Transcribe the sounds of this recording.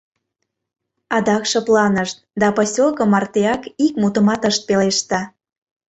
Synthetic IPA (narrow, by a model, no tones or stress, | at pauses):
ɑd̪ɑkʃɤ̆plɑnəʃt̪̚d̪ɑposʲolˠkɤ̆mɑrt̪eɑkikmut̪ə̆mɑt̪əʃt̪̚peleʃt̪ɑ